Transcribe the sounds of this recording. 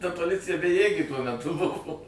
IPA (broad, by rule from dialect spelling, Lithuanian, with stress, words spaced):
tɐ poːˈlʲɪt͡sʲɪjɛ bʲɛˈjeːɡʲeː tuɔ mʲɛˈtʊ ˈbʊʋoː